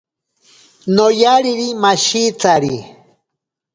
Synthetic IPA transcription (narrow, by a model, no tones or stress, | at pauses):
nojaɾiɾimaʃit͡saɾi